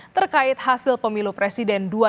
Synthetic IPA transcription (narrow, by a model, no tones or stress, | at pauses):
t̪ərkaɪt̪̚hasɪlpəmilupɾɛsidɛndua